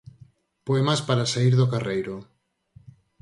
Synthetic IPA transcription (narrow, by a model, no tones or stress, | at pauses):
poemaspaɾasaiɾðokarejɾo